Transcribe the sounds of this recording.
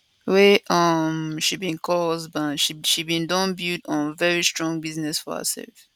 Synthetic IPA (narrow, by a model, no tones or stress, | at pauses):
wɛʔʌmʃibĩnkʰɔzbatʃiʃibĩndɔ̃nbudɔ̃nvɛɹistɹɔ̃ŋbiznɛsfɔ̰hə̰sɛ̰lf